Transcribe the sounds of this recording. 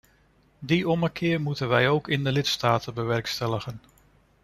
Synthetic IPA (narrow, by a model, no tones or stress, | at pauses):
diʔɔməkʰɪːɹmutənʋɛjowkɪndəlɪtstaːtənbəʋɛɹkstɛləχən